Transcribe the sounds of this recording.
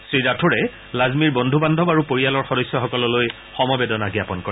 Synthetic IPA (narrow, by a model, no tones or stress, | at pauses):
sɹiɹatʰuɹɛ | lazmiɹbɔndʱubandʱɔbaɹupoɹialɔɹxɔdɔjsjɔxɔkɔlɔloj | xɔmɔbedɔnaɡijapɔnkɔɹɛ